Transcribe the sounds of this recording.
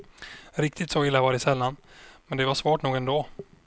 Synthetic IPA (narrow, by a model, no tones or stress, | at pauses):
ɾɪk̚t̪ɪt̪soɪlːavɑːɖɛsɛlːanmɛnd̪ɛvaʂvoːʈnuːɡɛnd̪oː